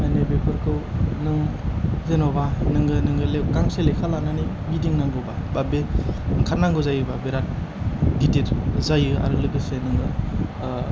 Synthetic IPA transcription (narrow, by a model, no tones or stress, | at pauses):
manebekʰɯɾkʰɯwnɯŋzenɔbanɯŋɡɯnɯŋɡɯlekaŋselekʰalanani | midiŋnaŋɡɯba | babeɯŋkʰanaŋɡɯzajɯbabeɾat̚ | ditiɾzajɯa̰ɾɯlɯɡɯsenɯŋɡɯ